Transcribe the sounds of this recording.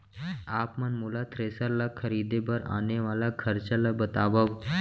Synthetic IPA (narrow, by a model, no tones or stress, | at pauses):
apmanmulat̪ɾesəɾlakʰəɾid̪ebəɾa̰neʋalakʰəɾt͡ɕalabət̪aʋaʋ